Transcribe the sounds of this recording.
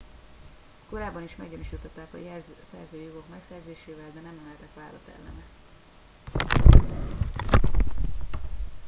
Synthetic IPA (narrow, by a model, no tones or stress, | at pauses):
ko̞ɾaːbːɒniʃmɛɡɟoniʃit̪ːɒt̪ːaːkɒ̰jrsɛ̰rzøːjo̞ɡo̞kmɛksɛrzeːʃeːvɛld̪ɛnɛmːɛnɛlt̪ɛkʋaːɾɒt̪ɛ̰lːɛ̰nɛ